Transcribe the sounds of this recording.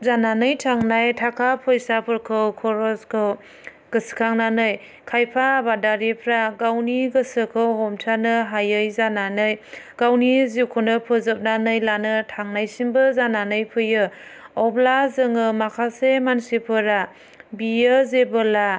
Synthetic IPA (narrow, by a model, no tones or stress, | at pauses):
zananɯjtʰaŋnajtʰakʰapʰɔjsapʰɯɾkʰɯwkʰɔɾɔskʰɯw | ɡ̥ɯsi̥kʰaŋnanɯj | kʰajpʰaːbadaɾipʰɾaɡawniɡɯsɯkʰɯwɦɔmtʰanɯɦajɯjzananɯjɡ̥awnizikʰɔnɯpʰɯzɯp̚nanɯjlanɯtʰaŋnajsimbɯzananɯjpʰɯjɯɔplazɯŋɯmakʰasemansipʰɯɾa | bijɯzebɯla